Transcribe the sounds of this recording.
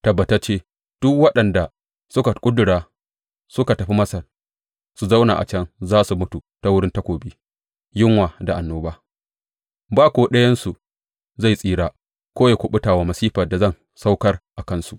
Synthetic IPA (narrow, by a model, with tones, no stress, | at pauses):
tɐ˨bːɐ˨tɐ˦t͡ʃeː˦ | d̥ʊ˦kwɐ˦ɗɐ˨nda˨ | sʊ˦ka˨kʷʼʊ˦dʊ˨ɽaː˨ | sʊ˦ka˨tɐ˨ɸi˦mɐ˦sɐ˨r | su˨za˦wna̰˨ʔa̰˨t͡ʃɛ˦nzaː˦su˨mʊ˦tu˨ta˦wʊ˦ɽɪ˦nta˦kʷoː˨biː˦ | jɪ˦ŋwaː˨da˨ʔa˨nːoː˦baː˦ | baː˦kʷoː˦ɗɐ˦jɐ˦nsu˨ | za˦˨jsʼiː˦ɽaː˦ | kʷoː˦jaː˨kʷʊ˨ɓʊ˦taː˨waː˦mɐ˨siː˦ɸɐ˨da˨zɐ˦˨n | sa˦wkɐ˦rʔa˨kɐ˦nsu˨ʔ